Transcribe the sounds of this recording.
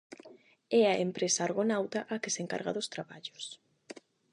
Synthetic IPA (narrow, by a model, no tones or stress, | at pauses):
ɛaempɾesaːɾɣonawt̪ɐʔakɪseŋka̰ɾɣɐ̰ðost̪ɾaβaʎʊ̥s